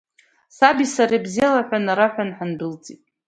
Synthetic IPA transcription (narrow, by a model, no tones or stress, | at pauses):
sabisaɾabzijalaħʷᶣanaɾaħʷᶣanħanbɨlt͡sʼitʼ